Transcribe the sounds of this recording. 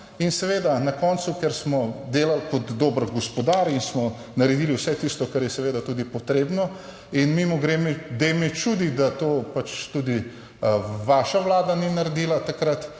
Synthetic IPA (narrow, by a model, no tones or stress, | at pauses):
insɛʋeːd̪anakɔnsukɛɾsmɔd̪eːlalkɔd̪ːoːbɾɡɔspɔd̪aɾinsmɔ | nɐɾɛd̪iːliwsɛt̪ist̪ɔkaɾjɛsɛʋeːd̪at̪uːd̪ipɔt̪ɾeːbnɔ | inmimɔɡɾemɛd̪emɛt͡ʃud̪id̪at̪oːpat͡ʃt̪ud̪i | ʋaʃaʋlaːd̪aninaɾed̪iːlat̪akɾat̪